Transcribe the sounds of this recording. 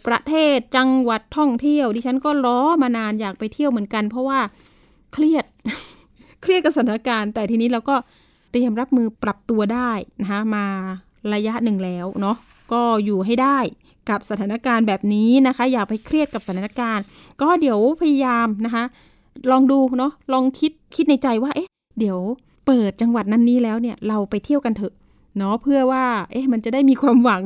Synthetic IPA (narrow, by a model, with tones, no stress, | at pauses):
pɾa˧t̪ʰeː˥˩t̪̚t͡ɕa˧ŋwa˨˩t̪ʰːɔ˥˩ŋt̪ʰi˥˩əwdiː˧t͡ɕʰa˦˥nkɔː˥˩ɾɔː˦˥maː˧naː˧njaː˨˩k̚pa˧jt̪ʰi˥˩əwmɯ˩˦ənka˧npʰɾɔ˦˥waː˥˩ | kʰɾi˥˩ət̪̚ | kʰɾi˥˩t̪̚ka˨˩sa˧˩t̪ʰːaː˧˩˦kaː˧nt̪ɛː˨˩t̪ʰiː˧niː˦˥ɾa˧wkɔː˥˩ | t̪i˨˩əmɾa˦˥p̚mɯː˧pɾa˨˩p̚t̪u˧ɐdaː˥˩jna˦˥kʰa˦˥maː˧ | ɾa˧ja˦˥ʔnɯ˨˩ŋlɛː˦˥wnɔ˦˥ | kɔː˥˩juː˨˩ɦa˥˩jdaː˥˩j | ka˨˩p̚sa˧t̪ʰaː˩˦na˧kaː˧nbɛː˨˩p̚niː˦˥na˦˥kʰa˦˥jaː˨˩k̚ha˥˩jkʰɾi˥˩ət̪̚ka˨˩p̚sa˧t̪ʰːa˨˦a˥˧kaː˧n | kɔː˥˩di˩˦əwpʰa˧ja˧jaː˧mna˦˥kʰa˦˥ʔ | lɔː˧ŋduː˧nɔ˦˥lɔː˧ŋkʰi˦˥t̪̚kʰi˦˥t̪̚na˧jt͡ɕa˧jwaː˥˩ʔe˦˥ | di˩˦əw | pɤː˨˩t̪̚t͡ɕa˧ŋwa˨˩t̪̚na˧nːiː˦˥lɛː˦˥wni˥˩ɐɾa˧wpa˧jt̪ʰi˥˩əwka˧nt̪ʰɤ˧˩ʔ | nɔ˦˥pʰɯ˥˩ɐwaː˥˩ʔe˦˥ma˧nt͡ɕa˨˩daː˥˩jmiː˧kʰwaː˧mwa˩˦ŋ